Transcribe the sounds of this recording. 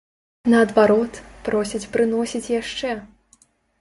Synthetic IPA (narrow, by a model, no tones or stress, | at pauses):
nɐːd̪vaɾɔt̪pɾɔsʲit͡sʲpɾɨn̪ɔsʲit͡sʲjaʂt͡ʂɛ